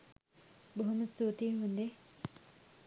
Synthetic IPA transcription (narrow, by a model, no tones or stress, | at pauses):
boɦuməst̪uːt̪iɦund̪e